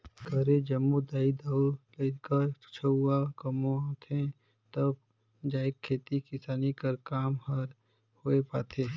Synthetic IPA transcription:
kəɾed͡ʒəmːud̪aːid̪aːulekəɾt͡ʃʰəuakəmõãːt̪ʰẽ | t̪əb̚ | d͡ʒaːɪkʰːeːt̪ikɪsaːnikəɾkaːmhəɾ | hoepaːt̪ʰeː

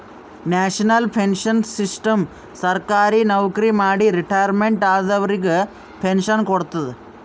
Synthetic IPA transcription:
naːʂɐnɐlpʰenʂɐnsisʈɐm | sɐɾkaːɾinɐʋkɐɾimaːɽiɾiʈɐjɐɾmeɳʈaːd̪ɐʋɐɾiɡe | pʰenʂɐnkoɽut̪ːɐd̪ɨ

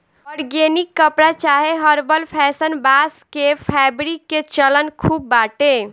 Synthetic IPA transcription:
ɔɾɡenikːəpɾat͡ʃaɦeɦəɾbəlpʰɛsənbaskepʰɛbɾikːet͡ʃələnkʰubːaʈe

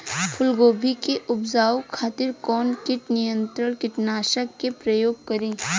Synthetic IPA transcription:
pʰʊlɡoːbʱikeʔʊbzaːwkʰːaːt̪ɪɾkɔːnkɪʈnɪjə̃nt̪ɾənkɪʈnaːʃəkːepɾəjoːɡ̚kɐɾẽː

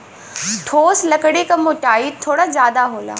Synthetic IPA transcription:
ʈʰoːslɐkəɽekɐmʊʈaːit̪ʰːoːɽazjaːd̪aɦoːla̰ː

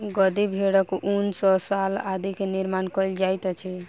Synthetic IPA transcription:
ɡəd̪ibʱeɽəkunsɔsalad̪ikeniɾmankɔld͡ʒajt̪t͡ʃʰi

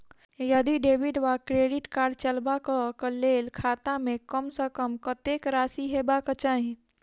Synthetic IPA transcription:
jəd̪iɖeːʋɪɖʋakɾeːɖɪʈkaːɾɖt͡ʃəlbakəkəleːlkʰaːt̪ãmẽkəmsəkəmkət̪eːkɾaːsiɦebakət͡ʃaːɦẽ

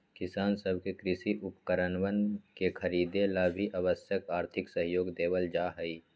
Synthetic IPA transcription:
kɪsaːnsəbʱkekɾɪsiʔʊpkəɾənʋənkekʰɐɾiːd̪elaːbʱiʔaʋəsjəkaːɾt̪ʰɪksəɦjoːɡd̪eːwəld͡ʒaːɦəi

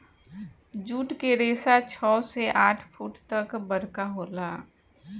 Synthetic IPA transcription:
d͡ʒuːʈkeɾeːsat͡ʃʰɔːseʔaːʈʰpʰuːʈt̪ɐkbəɾkaɦoːlaː

